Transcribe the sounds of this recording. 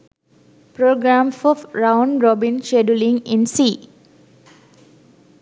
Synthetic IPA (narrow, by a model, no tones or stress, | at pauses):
pɾoːɡɾãmfɔɾãʊ̃nɾɔbĩnʃeɖulĩŋĩnsiː